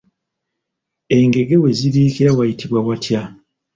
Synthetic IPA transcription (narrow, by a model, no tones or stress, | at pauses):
e̞ŋɡe̞ɡe̞we̞ziɾiːkiɾawajitʰiβwawatʰja